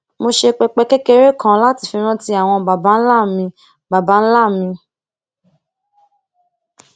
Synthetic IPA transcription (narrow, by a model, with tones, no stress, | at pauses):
mo˧ʃe˧k͡pɛ˧k͡pɛ˧kɛ˦kɛ˦˧ɾe˦kã˦la˦ti˧˨fĩ˧˦ɾ̃ã˦ti˧a˨w̃ɔ̃˧ba˨ba˨˦n̩˦la˦˨mĩ˧ | ba˨ba˨˦n̩˦la˦˨mĩ˧